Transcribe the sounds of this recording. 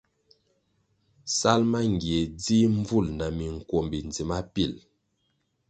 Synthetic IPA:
sa˦lma˦ŋ˨ɡje˨d͡zi˦ɱ˦vu˦˨lna˨mi˨ŋ̩˨kwɔ˨mbi˨nd͡zi˨ma˦pi˦˨l

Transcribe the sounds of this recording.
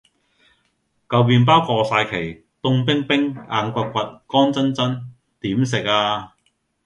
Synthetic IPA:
kɐ˨wpiː˧np̬aː˥wkɔː˧saː˧jkʰe˨˩j | t̪ʊ˧ŋpɪ˥ŋpɪ˥ŋaː˧nkʷa˧kʷɐ˨t̚kɔː˥nt͡sɐ˥nt͡sɐ˥n | t̪iː˨˥ms̬ɪ˨k̚aː˧

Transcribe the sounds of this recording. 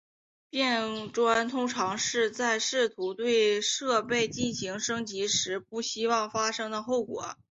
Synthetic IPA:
pjɛ˥˩nʈ͡ʂwa˥nt̪ʰʊ˥ŋʈ͡ʂʰɑ˧˥ŋʂɻ̩˥˧t͡sa˥˧ɪʂɻ̩˥˩t̪ʰu˧˥t̪we˥˧ɪʂɤ˥˧pe˥˧ɪt͡ɕi˥˩nɕi˧˥ŋʂɤ˥ŋt͡ɕi˧˥ʂɻ̩˧˥pu˥˩ɕi˥wɑ˥˩ŋfa˥ʂɤ˥ŋd̪ə˨xo˥˩ʊkwɔ̰˨˩˦

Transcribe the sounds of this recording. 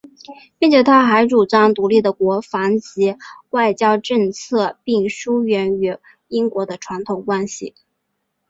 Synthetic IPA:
pi˥˩ŋt͡ɕʰjɛ˧˥t̪ʰa˥xa˧˥ɪʈ͡ʂu˨˩t͡sɑ˥ŋt̪u˧˥li˥˩d̪ə˩kwɔ˧˥fɑ˧˥nt͡ɕi˧˥wa˥˩ɪt͡ɕjɑ˥ʊʈ͡ʂɤ˥˧ŋt͡sʰɤ˥˧pi˥˩ŋʂu˥ɥɛ˧˥ny˧˥ | i˥ŋkwɔ˧˥d̪ə˧ʈ͡ʂʰwa˧˥nt̪ʰo˨˩ʊkwa˥nɕḭ˨˩

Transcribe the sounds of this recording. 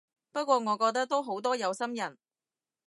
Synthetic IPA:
pɐ˥t̚kʷɔː˧ŋɔː˨˧kɔː˧k̚t̪̬ɐ˥k̚t̪o˥wɦo˨˥wt̪ɔː˥jɐ˨˧wsɐ˥mjɐ˨˩n

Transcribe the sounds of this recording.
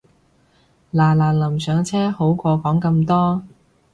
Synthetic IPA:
laː˨˩laː˨˩lɐ˨˩msœː˨˧ŋt͡sʰɛː˥ho˨˥wkɔː˧kɔː˨˥ŋkɐ˧mt̪ɔː˥

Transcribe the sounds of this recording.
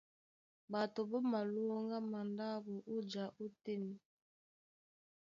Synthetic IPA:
ba˨to˨bɔ˦ma˨lu˦o˦ŋɡa˦ma˨nda˦bo˨ʔu˦d͡ʒa˨ʔu˦te˦ni˦

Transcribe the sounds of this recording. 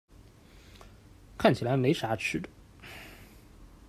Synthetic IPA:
kʰa˥˩nt͡ɕʰi˨˩a˧˥ɪme˧˥ɪʂa˧˥ʈ͡ʂ̩ʰ˥d̪ə

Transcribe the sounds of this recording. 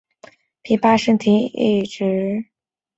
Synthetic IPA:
pʰi˧˥pa˥ʂə˥ŋt̪ʰi˧˥ḭ˥˩ʈ͡ʂɻ̩˧˥

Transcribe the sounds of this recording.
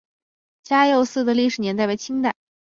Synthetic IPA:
t͡ɕja˥jo˥˧ʊsɹ̩˥˩d̪ə˩li˥˩ʂɻ̩˨˩njɛ˧˥nt̪a˥ɪpe˥ɪt͡ɕʰi˥ŋt̪a˥˩ɪ

